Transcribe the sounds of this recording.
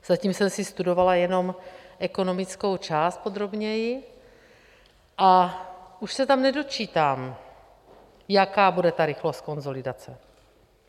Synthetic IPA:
z̥aciːmsɛmsist̪udo̞valajɛno̞mʔɛkono̞mɪt͡skowt͡ʃaːst̪̚po̞d̪ɾo̞bɲɛjɪ | ʔaʔuʃsɛt̪amnɛdo̞t͡ʃiːt̪aːm | jakaːbudɛt̪aɾɪxlost̪̚ko̞nzo̞lidat͡sɛ

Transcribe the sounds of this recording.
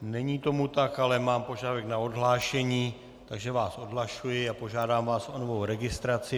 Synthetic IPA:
nɛɲiːt̪o̞mut̪akalɛmaːmpo̞ʒadavɛknao̞dɦlaːʃɛɲiː | t̪aɡʒɛvaːso̞dɦlaʃujɪapo̞ʒaːdaːmvaːsʔo̞novo̞wɾɛɡɪst̪ɾat͡sɪ

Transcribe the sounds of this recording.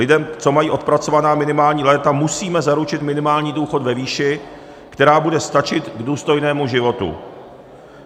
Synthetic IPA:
lɪdɛmt͡so̞majiːʔo̞t̪̚pɾat͡so̞vanaːmɪnɪmaːlɲiːlɛːt̪amusiːmɛzaɾut͡ʃɪt̪mɪnɪmaːlɲiːduːxo̞tvɛviːʃɪ | kt̪ɛɾaːbudɛst̪at͡ʃɪt̪ɡduːst̪o̞jnɛːmuʒɪvo̞t̪ṵ

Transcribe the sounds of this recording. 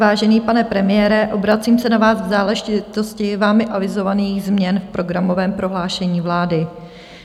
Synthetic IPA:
vaːʒɛniːpanɛpɾɛmɪjɛːɾɛʔo̞bɾat͡siːmsɛnavaːzɡzaːlɛʒɪt̪o̞scɪvaːmɪʔavɪzo̞vaniːɣzmɲɛnfpɾo̞ɡɾamo̞vɛːmpɾo̞ɦlaːʃɛɲiːvlaːdɪ

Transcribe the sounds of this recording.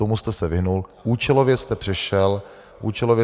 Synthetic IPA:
omust̪ɛsɛvɪɦnulʔuːt͡ʃɛlovjɛst̪ɛpr̝̥ɛʃɛl | ʔuːt͡ʃɛlovjɛ

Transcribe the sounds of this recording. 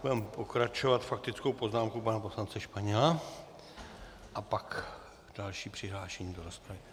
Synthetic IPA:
budɛmpo̞kɾat͡ʃovat̪fak̚t̪ɪt͡skowpo̞znaːmkupanapo̞slant͡sɛʃpaɲɛla | ʔapak | d̥alʃiːpr̥ɪɦlaːʃɛɲiːdoɾospɾavɪ

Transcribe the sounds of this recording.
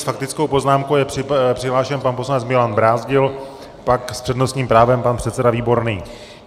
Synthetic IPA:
fak̚t̪ɪt͡skowpo̞znaːmkowjɛpr̥ɪpr̥ɪɦlaːʃɛnpanposlanɛt͡smɪlanbɾaːzɟɪl | pakspr̥ɛdno̞st̪ɲiːmpɾaːvɛmpanpr̥ɛt̪t͡sɛdaviːbo̞ɾniː

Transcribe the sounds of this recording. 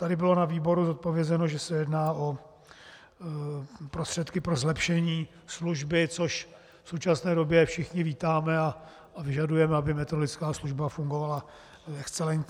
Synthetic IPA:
t̪adɪbɪlo̞naviːbo̞ɾuzot̪̚povjɛzɛnoʒɛsɛjɛdnaːʔo̞ | pɾo̞st̪r̥ɛt̪kɪpɾo̞zlɛpʃɛɲiː | sluʒbɪt͡so̞ʃ | fsowt͡ʃasnɛːdo̞bjɛfʃɪxɲɪviːt̪aːmɛa | avɪʒadujɛmɛabɪmɛt̪ɾolɪt͡skaːsluʒbafuŋɡo̞vala | ɛkst͡sɛlɛɲcɲ

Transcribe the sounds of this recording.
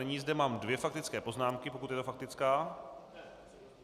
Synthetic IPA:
ɛɲiːzdɛmaːmdvjɛfak̚t̪ɪt͡skɛːpo̞znaːmkɪpokut̪jɛt̪ofak̚t̪ɪt͡skaː

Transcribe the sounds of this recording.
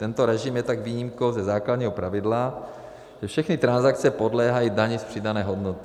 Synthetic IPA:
t̪ɛnt̪oɾɛʒɪmjɛt̪aɡviːɲimko̞wzɛzaːkladɲiːɦopɾavɪdla | ʒ̥ɛfʃɛxnɪt̪ɾanzak̚t͡sɛpo̞dlɛːɦajidaɲɪspr̝̥ɪdanɛːɦo̞dnot̪ɪ̥

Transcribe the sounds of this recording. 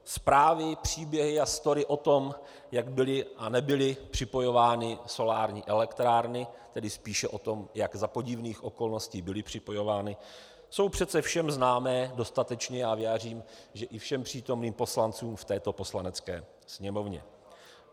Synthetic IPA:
spɾaːvɪpr̝̥iːbjɛɦɪast̪o̞ɾɪʔo̞t̪o̞m | jaɡbɪlɪʔanɛbɪlɪpr̝̥ɪpo̞jo̞vaːnɪso̞laːɾɲiːʔɛlɛkt̪ɾaːɾnɪt̪ɛdɪspiːʃɛʔo̞t̪o̞mjaɡzapo̞ɟɪvniːxʔo̞ko̞lno̞sciːbɪlɪpr̝̥ɪpo̞jo̞vaːnɪ | so̞wpr̝̥ɛt̪t͡sɛfʃɛmznaːmɛːdo̞st̪at̪ɛt͡ʃɲɛjaːvjaːr̝iːmʒɛʔɪfʃɛmpr̝̥iːt̪o̞mniːmpo̞slant͡suːmft̪ɛːt̪o̞po̞slanɛt͡skɛ̰ː | sɲɛmo̞vɲɛ̰

